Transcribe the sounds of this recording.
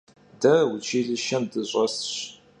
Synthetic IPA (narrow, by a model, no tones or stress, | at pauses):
dɐwʊt͡ʃʰiːɮɨʃɐmdɨɕʷʼɐsɕ